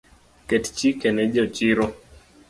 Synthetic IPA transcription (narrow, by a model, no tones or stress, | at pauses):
kɛtt͡ʃikɛnɛd͡ʒɔt͡ʃiɾɔ